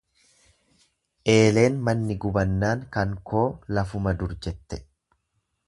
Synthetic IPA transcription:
ʔe̞ːle̞ːnmɐnːɪɡʊbɐnːaːŋkɐŋkʰo̞ːlɐfʊmɐd̪ʊɾd͡ʒɛt̪ːɛ

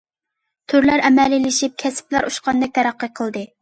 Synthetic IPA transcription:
t̪ʰyɾlæɾɛmɛlɪlɪʃip̚kʲʰɛsplæɾʔuʃqɑnd̪ɛk̚t̪ʰɛɾɑqːəqʰəlˠd̪ɨ

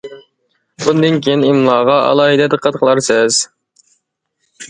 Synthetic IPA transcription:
bund̪ɨnkʲʰijinimlˠɑːʁɑɑ̰lˠɑːɦid̪ɛd̪ɨqʰɑt̪qʰəlˠɑɾsɛz̥

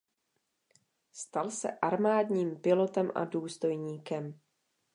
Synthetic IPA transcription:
st̪alsɛ̰ʔaɾmaːdɲiːmpɪlo̞t̪ɛmʔa̰duːst̪o̞jɲiːkɛm

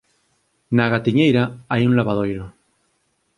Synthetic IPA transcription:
naɣat̪iɲejɾaajunlaβað̞ojɾo

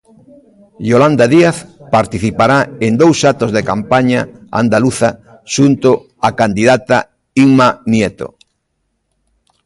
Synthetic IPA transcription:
ʎoland̪aðiaθpaɾt̪iθipaɾaend̪owsat̪ozðekampaɲaa̰nd̪aluθa | ʃunt̪ʊ | akand̪iðat̪a | iŋmanjet̪o̰

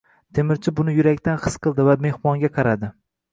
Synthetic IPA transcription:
t̪ʰemɪɾt͡ʃʰɪbʊnɪjʊɾakʲt̪ʰanχɨsqɨlˠd̪ɪvame̞hmɒŋɡʲaqʰɑɾad̪ɪ

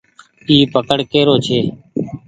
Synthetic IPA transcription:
iːpəkəɽkeːɾoːt͡ʃʰeː

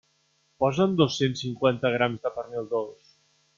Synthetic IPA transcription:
pɔzənd̪osːensiŋkwant̪əɣ̞ɾamzðəpəɾmilˠd̪os

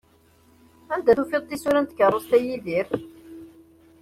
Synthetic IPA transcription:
ænd̪æθufeðˤt̪ːisuɾænt̪kərˤːəst̪æjiðiɾθ

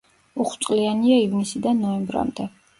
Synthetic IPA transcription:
uχwt̪sʼlianiaivnisid̪anːɔɛmbɾa̰md̪ɛ

